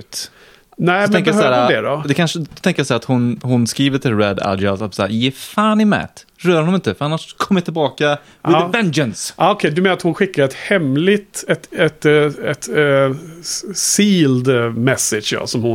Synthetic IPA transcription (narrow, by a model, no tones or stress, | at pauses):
t̪ | næɔmɛɛŋdkəjhsæːɾad̪ɛɾɔd̪ɛkʰanʂət̪ɛŋkəjasæːɾat̪hʊnhʊnskɾiːvəʈʰɪlɾɛd̪a̰d̪asasa̰ːjɛfaːnɪmæ̰t̪ | ɾœːɾhnɔmɪnt̪əfœɾanːaʂkʰɔmːəjat̪ɪlbɑːka | vɛnd͡ʒənsʔɑːɔkʰɛd̪ɵmɛnaɾat̪hʊnɧɪkːaɾɛt̪hɛmlɪt̪ɛt̪ɛt̪ɛt̪ | siːld̪mɛsɪdʂjɑ̰sɔmhʊ